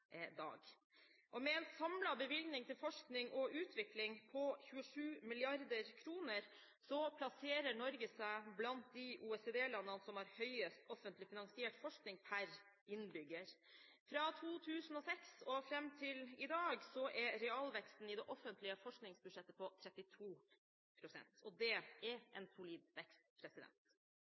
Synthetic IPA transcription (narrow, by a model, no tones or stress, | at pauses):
d̪ɑ̰ːɡ | ʔɔmɛɛnsɑmlɑbəʋɪlɡ̪nɪŋt̪ʰɪlfɔʂknɪŋʔɔʔʉːt̪ʰʋɪklɪŋpʰɔçʉːəʂʉːmɪlɪɑɾd̪əɾkʰɾuːnəɾ | sɔpʰlɑseːɾəɳɔɾɡəsæɪblɑnt̪̚d̪ɪʔuːɛsed̪eːlɑnːənəsɔmhɑɾhœʏəst̪ɔfənt̪lɪfɪnɑŋsɪeːʈfɔʂknɪŋpʰæɾ | ɪnbʏɡːəɾ | fɾɑːt̪ʰuːt̪ʰʉːsn̩ɔsɛksɔfɾɛmːt̪ʰɪlɪd̪ɑːɡsɔʔɛɾɾɛɑlʋɛkst̪n̩ɪd̪ɛʔɔfənt̪ʰlɪəfɔʂknɪŋsbʉd̪ʂɛt̪ːəpʰɔt̪ʰɾɛt̪ːɪt̪ʰuː | pʰɾʊsɛ̰nt̪ɔd̪ɛɛɾʔɛnsʊliːd̪ʋɛkst̪pʰɾɛsɪd̪ɛ̰nt̪